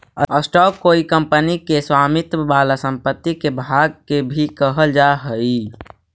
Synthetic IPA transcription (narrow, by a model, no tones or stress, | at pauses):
ə̰əsʈɔːkːoːikə̃mpənikeswaːmɪt̪baːlasə̃mpət̪ːikebʱaɡkebʱikəɦəld͡ʒaɦəi